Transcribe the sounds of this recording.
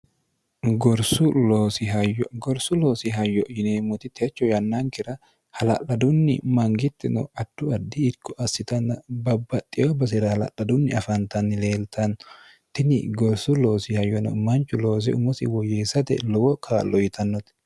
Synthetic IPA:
ɡɔɾsʊloːsɪɦɐjɔɡɔɾsʊlo̞ːsɪɦɐjːɔjɪneːmʊt̪ɪt̪ʰɛt͡ʃːɔjɐnːɐŋkɪɾɐ | hɐlɐ̰lɐd̪ʊnːɪ̰mɐŋɡɪt̪ːɛnɔ̰ɐt̪ːʊɐd̪ːɪːkːɔʔɐsɪt̪ɐnːɐbɐbːɐt̪ʼːɪjobɐs̬ɪɾɐhɐlɐ̰lːɐd̪ʊnːɪɐfɐnt̪ɐnːɪle̞ːlt̪ʰɐn | t̪ɪnɪɡɔɾsʊlo̞ːsɪhɐjːɔnɔ̰mɐnt͡ʃːʊlo̞ːs̬ɛ̰ʊmʊsɪwɔjeːsɐt̪ɛ̰lɔwɔkʰaːlːɔjɪt̪ɐnːɔt̪

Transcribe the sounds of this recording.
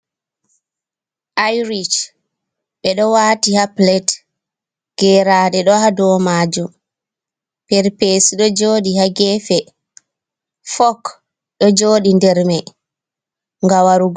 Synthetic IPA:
ʔajɾit͡ʃ | ɓɛɗɔwaːtihaplɛt | ɡ̥ɛːɾaːdɛɗɔhadɔmad͡ʒum | pɛɾpesiɗɔd͡ʒoːɗihaɡɛːfɛ | fɔk | ɗɔd͡ʒoːɗindɛɾmɛ | ŋɡawaɾuɡ

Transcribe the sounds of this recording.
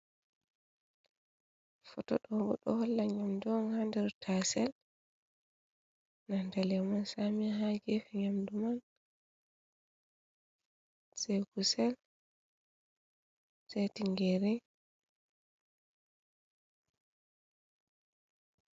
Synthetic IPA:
fɔtɔ̰ɗɔbɔ̰ɗɔ̰hɔlːaɲamdumanhandɛɾtʰasɛl | nandalɛmansamiɦaɡefɛɲamduman | seɡusɛl | sajtiŋɡeɾɛ

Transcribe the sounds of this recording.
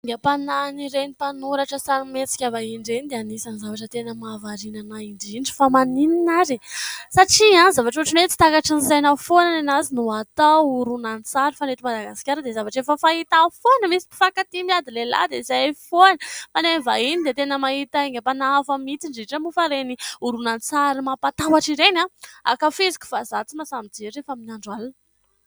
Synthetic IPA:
ɡ̪əpananiɾenipanuɾaʈ͡ʂəsanimet͡si̥kʲavaiɳɖ͡ʐenid̪eanisanizavaʈ͡ʂət̪enəmavaɾinanaiɳɖ͡ʐiɳɖ͡ʐi̥famanininaɾisaʈ͡ʂianizavaʈ͡ʂuʈ͡ʂinet̪i̥t̪akaʈ͡ʂinizajnafonanenazinuat̪auɾunanit͡saɾufanet̪imad̪aɡasi̥kʲaɾəd̪ezavaʈ͡ʂefəfait̪afonəmisi̥pi̥fakat̪imiad̪ilela̰d̪eizafoanəfanenvainid̪et̪enəmait̪aeŋapanaafəmit͡siɳɖ͡ʐeʈ͡ʂəmufaɾeniuɾunanit͡saɾimapat̪awaʈ͡ʂiɾenaa̰kafezi̥ku̥fazat͡simasamid͡zeɾefaminaɳɖ͡ʐalan

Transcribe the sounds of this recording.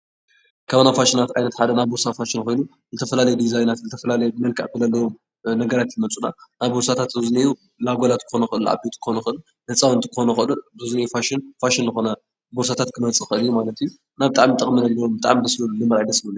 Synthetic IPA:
kʰɐβɐnafaʃɪnat̪ʕajnɐt̪ħad̪ɐnaβboɾsafaʃɪnkojnu | zɨt̪ʰɐfɐlalɐjud̪izajnat̪zɨt̪ʰɐfɐlalɐjɛmɐlkʰʼa̰ʔkɨlɐlɐjom | nɐɡɐɾat̪jimɐt͡sʼunanaβboɾsat̪ʰat̪zɨzniju | laɡʷolat̪kɨ̥xo̞nɐxɨʔɨlʔa̰bet̪ʰkʰxonɐxɨʔɨl | nɐt͡sʼawɨnt̪ʰɨ̥kʰxonɐxɨɨluzɨznɐjufaʃɪnfaʃɪnzɨxo̞nɐ | boɾs̬at̪ʰat̪kʰɨmɐt͡sʼɨxɨʔɨlijːumalɐt̪iju | naβbɨt̪ʼa̰ʕmit̪ʼɐχʼminɐɡlɐɾombɨt̪ʼa̰ʕmibɨslullɨmːɐɾajd̪ɐslɨlij

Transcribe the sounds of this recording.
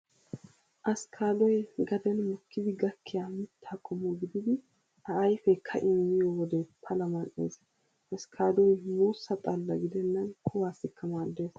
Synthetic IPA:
ʔɐskʰaːd̪ɔjɡɐd̪ɛnmʊkːɪd̪ɪɡɐkːɪjaːmɪt̪ːɐkʼːɔmːɔɡɪd̪ɪd̪ɪ | ɐʔːjfɛkʰːɐʔɪmːɪjɔwɔd̪ɛpʰɐlɐmɐnʔḛːs | ʔɐskʰaːd̪ɔjmuːsːɐt̪ʼɐlːɐɡɪd̪ɛnːɐnkʰʊwaːsɪkːɐmaːd̪ːe̞ːs

